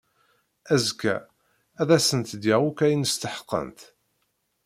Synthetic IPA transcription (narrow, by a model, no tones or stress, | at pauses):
æzkæ̰ | æðæsənt̪d̪jæʁukæjənəst̪əħə̥qːə̰nt̪